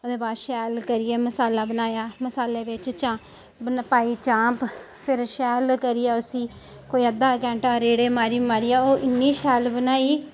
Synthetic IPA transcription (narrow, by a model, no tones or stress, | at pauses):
od̪eːbaːd̪ʃɛːlkəɾɪjeːməsaːlaːbənaːjaːməsaːleːʋɪt͡ʃt͡ʃã | ənpaːiːt͡ʃãːp | pʰɪɾʃɛːlkəɾiːaːʊsĩː | koːiːəd̪aːkɛ̃ːɳʈaːɾeːɽeːmaːɾiːbmaːɾiːaːoːʔɪnːiːʃɛːlbənaːiː